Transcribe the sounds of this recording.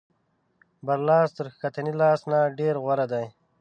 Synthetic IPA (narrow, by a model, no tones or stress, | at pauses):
baɾlɑːst̪əɾkat̪anilɑːsnaɖeɾɣwaɾad̪aj